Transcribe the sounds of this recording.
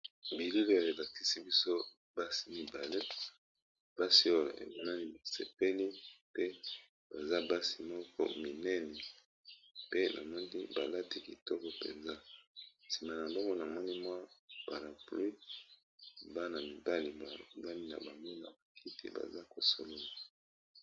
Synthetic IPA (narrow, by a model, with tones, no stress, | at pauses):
bi˨li˦lo˦˨e˨la˨ti̥˦si˦bi˦so˦ | ba˦si˨mi˨ba˨le˦ | b̥a˦si˦o˦jo̰˨ʔḛ˨ma˨na˦ni˦ba˨sḛ˨pe˦li˦pe˦ | ba˨za˦ba˦si˨mɔ˦kɔ̰˦mi˨nɛ˦nɛ˨ | pe˦nʔa̰˨mɔ˦ni˦ba˨la˦ti˦ki˨tɔ˦kɔ˨pḛ˨nza˦si˨ma˨na˨mɔ˦kɔ˦na˨mɔ˦ni˦mwa˦pa˨ɾa˨pli˦˨ | ba˦na˨mi˨ba˦li˨ma˨lo̰˨la˦ni˦na̰˨ba˨mbo˦na̰˨ba˨kʰi˦tḭ˨ba̰˨za˦ko˨so̰˨lo˦la˨